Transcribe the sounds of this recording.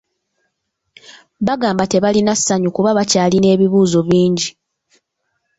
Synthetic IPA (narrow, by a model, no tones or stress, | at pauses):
βaɡaːmbate̞βalinasːaɲukuβaβacaːline̞ːβiβuːzo̞βiːɲɟi